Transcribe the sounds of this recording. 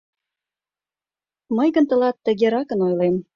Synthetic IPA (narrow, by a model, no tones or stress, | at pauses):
məjɣənt̪ə̆lɑt̪ːə̆ɣeɾɑkə̆nojlem